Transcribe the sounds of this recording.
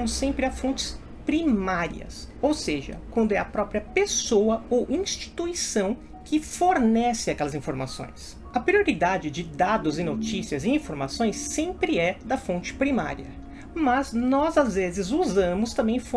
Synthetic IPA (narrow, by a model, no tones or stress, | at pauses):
mʊsːẽmpɾɪɐfõnt͡ʃɪ̥s | pɾimaɾḭɐ̰sowseʒɐ̰kwɐ̃nd̪ʊɛɐpɾɔpɾiɐpesowɐowʔĩʃt͡ʃi̥t̪uisɐ̃w̃ | kɪfoɾnɛsɪakɛlɐzĩfoɾma̰sõ̰j̃s | ɐpɾioɾid̪ad͡ʒɪd͡ʒɪd̪ad̪ʊzɪnot͡ʃisiɐzɪĩfoɾma̰sõj̃sːẽmpɾɪɛd̪ɐfõnt͡ʃɪ̥pɾima̰ɾiɐ̰ | mɐznɔzazvezɪzuzɐ̃mʊst̪ɐ̃mbẽj̃fõ